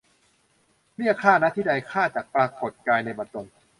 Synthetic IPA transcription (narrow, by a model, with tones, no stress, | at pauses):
ni˥˩kʰaː˥˩na˦˥t̪ʰiː˥˩a˧jkʰaː˥˩t͡ɕaː˨˩k̚pɾaː˧ko˨˩t̪̚kaː˧jna˧jbɔː˧t̪o˧n